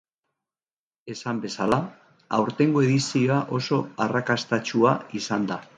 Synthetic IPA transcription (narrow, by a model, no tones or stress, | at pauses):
e̞sambe̞sala | awɾt̪e̞ŋɡoe̞ðisio̞aʔo̞so̞arakast̪at͡ʃuaisand̪a